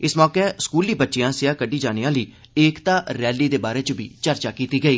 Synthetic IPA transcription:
ɪsmɔːkeːskuːliːbətːʃɪjãːsɪjaːkəɖiːd͡ʒaːneːãːliː | eːkt̪ãːɾɛːliːd̪eːbaːɾeːt͡ʃʊbḭːt͡ʃəɾt͡ʃaːkiːt̪iːɡəiː

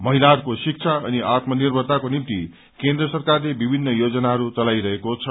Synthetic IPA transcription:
mʌɦilaɾkosik̚t͡sʰaʌ̰niʔat̪mʌnirbʱʌd̪akonimt̪i | kend̪rʌsʌrkarlebibʱinːʌjod͡zʌnaɦʌɾut͡sʌlajɾʌɦekot͡sʰʌ

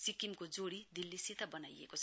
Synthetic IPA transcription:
sikimkod͡zoɽid̪ilːisit̪ʌbʌnajḛkot͡sʰ

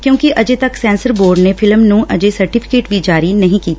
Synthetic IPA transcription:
kjõːkiʔɐd͡ʒeːt̪əksɛ̃ːnsəɾboːɾɖnepʰɪlmnũːʔəd͡ʒesəɾʈɪpʰɪ̥keːʈʋid͡ʒaːɾinɐɦĩkiːt̪ḁ

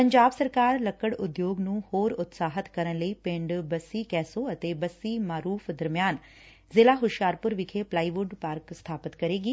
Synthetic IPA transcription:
pɐ̃ɲd͡ʒaːbsɐɾkaːɾlɐkːəɽʊd̪joːɡnũːhoːɾʊt̪saːɦət̪kɐɾənləipẽɳɖbɐsːikɛːsoɐt̪ebɐsːimaːɾuːfd̪ɐɾmjaːn | zɪlaːɦʊʃjaːɾpʊɾʋɪkʰeplaːiʋʊɖpaːɾkst̪ʰaːpət̪kɐɾeːɡiː

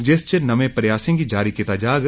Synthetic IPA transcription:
d͡ʒest͡ʃenɐmẽpɾɐjaːsẽɡid͡ʒaːɾikɪt̪aːd͡ʒaːɡ

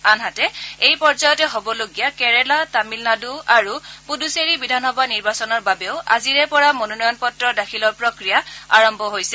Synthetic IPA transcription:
anɦatɛejpɔɹzajɔtɛɦobɔloɡijakɛɹɛlatamilnaduaɹupuduseɹibidʱanxɔbʱaniɹbasɔnɔɹbabɛʊa̰ziɹɛpɔɹamonɔnɔjɔnpɔtɹɔdakʰilɔɹpɹokɹijaaɹɔmbʱɔɦojsɛ

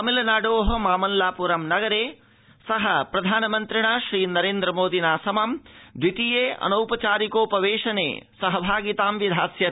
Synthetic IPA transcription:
ɐmilɐnaːɖoːɦɐmaːmɐnlaːpuɾɐmnɐɡɐɾeː | sɐɦɐpɾɐd̪ʱaːnɐmɐnt̪ɾiɳaːʃɾiːnɐɾeːnd̪ɾɐmoːd̪ʱinaːsɐmaːmd̪ʋit̪ijeːɐ̰nɐwpɐt͡ʃaːɾikoːpɐʋeːʃɐnḛːsɐɦɐbʱaːɡit̪aːmʋid̪ʱaːsjɐ

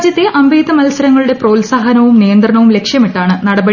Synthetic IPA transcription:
d͡ʑjɐt̪ːeʔɐmbʱeːd̪ɐmɐlɐsɐɾɐŋːɐɭuɽe̞pro̞ːlsaːɦɐnɐʋumnijɐnd̪rɐɳɐʋumle̞kʂjɐmiʈːaːɳɨnɐɽɐbɐ

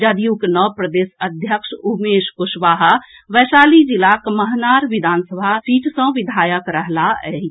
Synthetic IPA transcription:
d͡ʒəd̪ijuknɔpɾəd̪eːsəd̪ʱjəkʃumeːʃkʊʃʋaːɦʋɛsaːlid͡ʒilakməɦnaːɾʋɪd̪ʱaːnsəbʱasiːʈsə̃ʋɪd̪ʱaːjəkɾəɦlaɛɦi

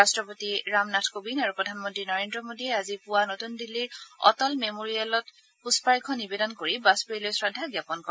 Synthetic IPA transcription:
astɹɔpotiɹamnatʰkobinaɹupɹɔdʱanmɔntɹinɔɹendɹɔmodiɛazipʊwanotundilːiɹɔ̰tɔlmemoɹijalɔt | puspaɹkʰɔnibedɔnkoɹibaspeɹilojsɹadʱaɡjapɔnkɔ

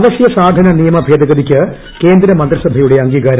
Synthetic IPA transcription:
ʋɐsjɐsaːd̪ʱɐnɐnijɐmɐbʱeːd̪ɐɣɐd̪ikʲːɨ | ke̞ːnd̪ɾɐmɐnd̪risɐbʱɐjuɽe̞ɐŋɡiːɡaːɾɐ

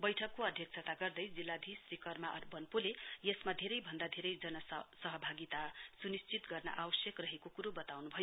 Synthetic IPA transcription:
bʌjʈʰʌkːoʌd̪ʱjʌkt͡sʰʌt̪aɡʌrd̪ʌjd͡zilːad̪ʱisrikʌrmaʔʌrbʌnpulejʌsmad̪ʱeɾʌjbʱʌnd̪ad̪ʱeɾʌjd͡zʌnʌsʌɦʌbʱaɡit̪asunist͡sit̪ɡʌrnʌ̰ʔawʌsjʌkrʌɦekokuɾobʌt̪awnubʱʌjo

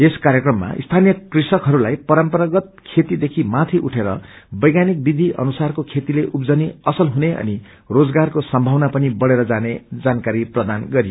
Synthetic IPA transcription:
eskaɾjekrʌmːa̰ʔḭst̪ʰanijʌkrisʌkɦʌɾulajpʌɾʌmpʌɾaɡʌt̪̚kʰet̪id̪ekʰimat̪ʰiʔuʈʰeɾʌbʌjɡanik̚bid̪ʱiʔʌ̰nusarkokʰet̪ileʔupd͡zʌniʌsʌlɦuneʔʌ̰ni | rod͡zɡarkosʌmbʱʌwnapʌnibʌɽeɾʌd͡zaned͡zankaɾiprʌd̪anɡʌɾijo

